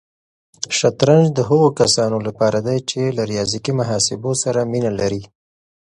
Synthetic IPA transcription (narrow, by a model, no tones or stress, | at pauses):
ʃat̪ɾanʒd̪əɦəɣokasɑnolapɑɾad̪ajt͡ʃelaɾijɑzikimaɦɑsɪbosaɾaminalaɾi